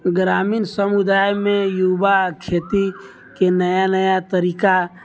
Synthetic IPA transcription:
ɡɾaːmiːnsəmud̪aːjmẽjubakʰet̪i | kenəjanəjat̪əɾiːka

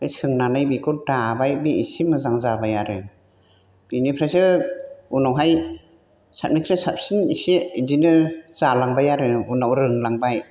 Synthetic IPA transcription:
ajsʰɯŋnanɯjbikudabajbiisimɯzaŋzabajaɾɯ | b̥inipʰɾasɯunawɦaj | sʰat̚mnikʰɾɯsap̚sinisiidinɯz̥alaŋbajaɾɯunawɾɯŋlaŋbaj

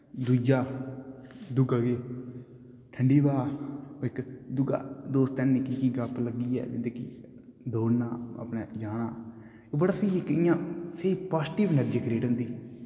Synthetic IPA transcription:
d̪uːd͡ʒaː | d̪ʊɡaɡeː | ʈʰəɳɖiːbaːɪkd̪ʊɡa̰ːd̪oːst̪ɛːnniːkiːkiːɡəpləɡːiːɛ̰ːd͡ʒɪd̪eːki | d̪oːnaːə̰pnɛːd͡ʒaːɽ̃aː | ɪkbəɽaːseiɪkɪjãːseiːpaːsʈiʋnəɾd͡ʒəkɾeːʈɦʊ̃nd̪iː

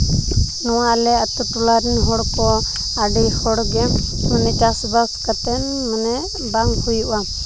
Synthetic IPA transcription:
nɔwalɛat̪uʈulaɾinɦɔɽkɔ | aɖijhɔɽɡɛmənɛt͡ʃasbakkat̪ɛn | mənɛ | baŋɡkujuʔa

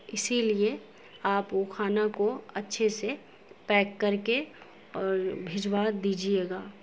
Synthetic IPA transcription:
ɪsilie | aːpokʰaːnakoɐtːʃʰese | pɛːkːɐɾke | ɔːɾbʱɪd͡ʒwaːd̪iːd͡ʒieːɡaː

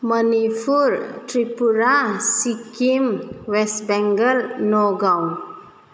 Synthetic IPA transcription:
mənipʰuɾʈɾipuɾasikimwesbɛŋɡəɾnoɡãw

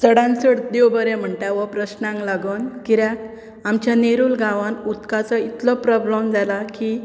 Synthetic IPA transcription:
t͡səɽãnsəɽd̪ewbəɾɛ̃m̤əɳʈ̪aʋɔpɾəɕnãŋklaɡənkiɾak̚ | amt͡ɕjaneɾuːlɡãʋãnut̪kat͡sɔit̪lɔpɾɔbləmd͡zalaki

